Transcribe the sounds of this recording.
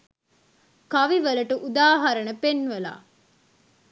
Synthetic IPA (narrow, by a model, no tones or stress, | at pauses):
kɐʋiʋɐlɐʈuʔud̪aːɦɐɾɐnɐpenʋɐla̰ː